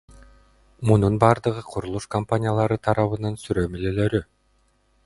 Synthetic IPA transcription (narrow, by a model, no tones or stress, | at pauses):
mununbɑːɾd̪ɯʁɯqʰuɾulˠuʃkɐmpanʲijalˠɑɾɯt̪ʰɑɾɑβɯnɑnsyɾømylølø̞ɾy